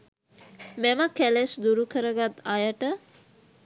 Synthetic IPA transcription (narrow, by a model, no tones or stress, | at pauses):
mɛməkælesd̪uɾukəɾəɡat̪ajəʈə